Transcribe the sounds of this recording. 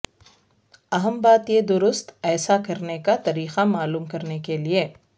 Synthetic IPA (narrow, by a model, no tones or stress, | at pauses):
ɐɦəmbaːt̪jed̪ʊɾʊst̪ɛːsakɐɾnekat̪ɐɾiːqamaːluːmkɐɾnekelie